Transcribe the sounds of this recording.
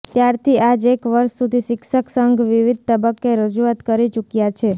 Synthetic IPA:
t̪jaɾt̪ʰiad͡ʒekʋəɾʃsud̪ʱiʃɪkʃəksəŋɡʱʋiʋid̪̚ʱt̪əbəkːeɾəd͡ʒuat̪kəɾit͡ʃukjat͡ʃʰe

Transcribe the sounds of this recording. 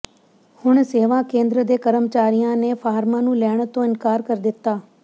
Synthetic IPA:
hʊɳseːʋãːkẽːnd̪ɾəd̪eːkəɾəmt͡ʃaːɾijãːneːpʰaːɾmãːnũːlɛːɳt̪õːɪnkaːɾkəɾd̪ɪt̪ːaː

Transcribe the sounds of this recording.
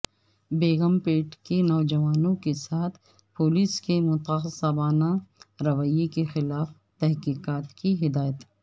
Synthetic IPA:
beːɣəmpeːʈkenɔːd͡ʒɐʋaːnõkesaːt̪ʰ | poːliːskemʊt̪axsabaːnaɾɐʋəjekexɪlaːf | t̪ɛɦkiːqaːt̪kiɦɪd̪aːjət̪

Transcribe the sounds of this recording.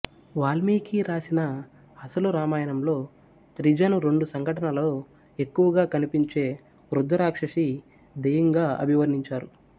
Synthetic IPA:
ʋaːlmiːkiɾaːsinɐ | ɐsɐluɾaːmaːjɐnɐmlo̞ː | t̪ɾid͡ʒɐnuɾe̞ɳɖusɐŋɡʱɐʈɐnɐlo̞ː | e̞kːuʋɐɡaːkɐnipiɲt͡ʃe̞ː | ʋɾud̪ʱːɐɾaːkʂɐʂi | d̪ɐjɐŋɡaːɐ̰bʱiʋɐɾniɲt͡ʃaːɾu

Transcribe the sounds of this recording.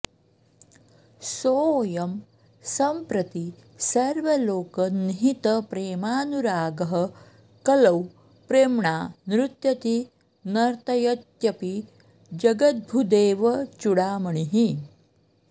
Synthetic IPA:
soːjɐm | sɐmpɾɐt̪i | səɾʋəloːkəniɦit̪əpɾeːmaːnuɾaːɡəɦə | kɐlɐw | pɾeːmɳanɾut̪jɐt̪i | nɐɾt̪ɐjɐt̪jɐpi | d͡ʒɐɡət̪̚bʱud̪eːʋət͡ʃuɽaːməɳ̃iɦi

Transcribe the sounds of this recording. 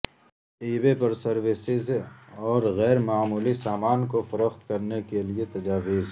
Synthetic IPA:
iːbepɐɾsɐɾʋɪsɪzɔːɾɣɛːɾmaːmuːlisaːmaːnkofɐɾəxt̪kɐɾnekeliet̪ɐd͡ʒaːʋɪz

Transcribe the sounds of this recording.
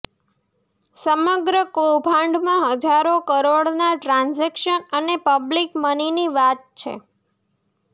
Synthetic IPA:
səməɡɾəkobʱãɳɖmãɦəd͡ʒaɾokəɾoɽnaʈɾãnzekʃənənepəblikməniniʋat̪̚t͡ʃʰḛ

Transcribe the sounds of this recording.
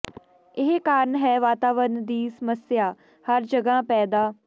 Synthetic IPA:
ɪɦkaːɾənɦɛːʋaːt̪aːʋəɾnd̪iːsəməsjaː | həɾd͡ʒəɡãːpɛːd̪aː

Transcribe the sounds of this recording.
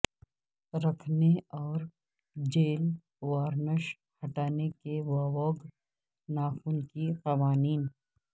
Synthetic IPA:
ɾɐkʰneɔːɾ | d͡ʒeːl | waːɾnəʃ | hɐʈaːnekeʋaːʋɔːɡ | naːxuːnkiqɐʋaːniːn

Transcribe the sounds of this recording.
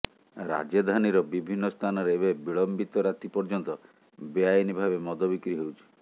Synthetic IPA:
ɾa̰d͡ʒjɔd̪ʱaniɾɔbibʱinːɔst̪ʰanɔɾeːbebiɭɔmbit̪ɔɾat̪ipɔɾd͡ʒɔnt̪ɔ | beajinibʱabemɔd̪ɔbikɾiɦewt͡ʃʰi̥

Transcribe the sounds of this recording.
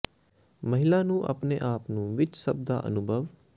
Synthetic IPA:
məɦɪlaːnũːʔə̰pneːʔaːpnũːʋɪt͡ʃsəb̚d̪a̰ːʔə̰nʊbʱəʋ

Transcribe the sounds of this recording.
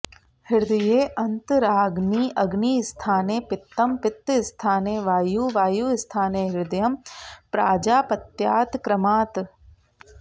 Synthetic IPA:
hɪɾd̪ɐjeːʔɐnt̪ɾaːɡniːʔɐɡniːst̪ʰaːneːpɪt̪ːɐmpɪt̪ːɪst̪ʰaːneːʋaːjuːʋaːjuːɪst̪ʰaːneːɦɪɾd̪ɐjɐmpɾaːd͡ʒaːpɐt̪jaːt̪kɾɐmaːt̪

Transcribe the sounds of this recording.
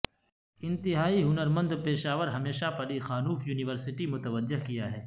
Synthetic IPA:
ɪ̃nt̪ɪɦaːiɦʊnəɾmə̃nd̪peːʃaːʋəɾɦɐmeːʃapɐɾixaːnuːfjuːnɪʋəɾsɪʈimʊt̪əʋəd͡ʒːɪɦkijaɦɛː

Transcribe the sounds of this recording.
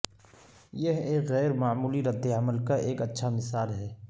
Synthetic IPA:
jeɦeːkɣɛːɾmaːmuːliɾɐd̪ːeəməlkaʔeːkɐtːʃʰamɪsaːlɦɛː

